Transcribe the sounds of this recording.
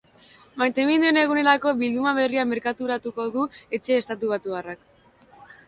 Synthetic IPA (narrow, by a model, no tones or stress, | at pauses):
majt̪e̞mind̪uene̞ɣ̞une̞ɾako̞βild̪umaβ̞e̞riame̞ɾkat̪uɾat̪uko̞ðue̞t͡ʃe̞ːst̪at̪uβat̪uɣarak